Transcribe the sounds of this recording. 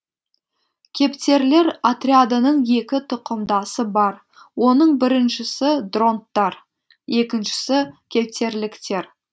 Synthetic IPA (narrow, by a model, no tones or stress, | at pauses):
kʲʰe̞pt̪e̞ɾle̞ɾat̪ɾʲiad̪ənəɴje̞kʲɪt̪ʰʊqəmd̪ɑsəbɑɾ | wo̞nəɴbɪɾɪnʃɪsɪd̪ro̞nt̪ːɑɾ | je̞kʲɪnʃɪ̥sɪkʲʰe̞p̚t̪e̞ɾlɪkt̪e̞ɾ